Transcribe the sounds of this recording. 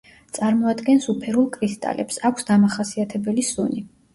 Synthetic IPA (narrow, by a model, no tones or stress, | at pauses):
t̪sʼaɾmɔad̪ɡɛnsupʰɛɾulˠkʼɾist̪ʼa̰lɛ̰psakʷʰsd̪amaχasiat̪ʰɛbɛlisuni